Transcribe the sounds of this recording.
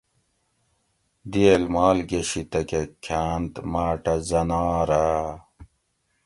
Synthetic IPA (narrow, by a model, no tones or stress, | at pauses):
d̪ielmaːlɡeɕit̪ɐkekʰaːnt̪maːʈɐzɐnɑːɾa